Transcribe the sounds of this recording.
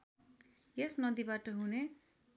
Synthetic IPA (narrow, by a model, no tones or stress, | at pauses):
jesnʌd̪ibaʈʌɦune